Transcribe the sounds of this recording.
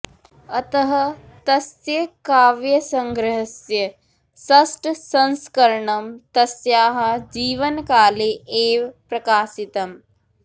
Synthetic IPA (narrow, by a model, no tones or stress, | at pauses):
ɐt̪ɐɦɐ | t̪ɐsjɐkaːʋjɐsɐŋɡɾɐɦɐsjɐ | sɐsʈsɐnskɐɾɳɐmt̪ɐsjaːɦɐ̆d͡ʒiːʋɐnkaːleʔeːʋpɾɐkaːsit̪ɐm